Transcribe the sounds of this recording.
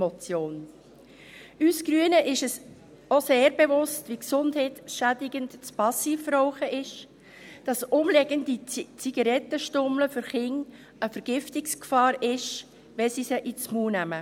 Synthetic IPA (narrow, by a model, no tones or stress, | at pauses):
mɔt͡sjoːn | ysɡ̥ɾyənəʔɪʃəs | oseːɾbɛvʊstʋiksʊndhɛtʃædɪɡəntt͡spɑsiːfɾɔʊχəʔɪʃ | d̥ɑsʊmlɛɡ̥əndit͡siɡ̥ɑɾɛtːəʃtʊmləfʏɾχɪŋ | əfəɾɡ̥ɪftɪkskfɑːɾɪʃ | ʋɛsisəʔit͡smuːnæmə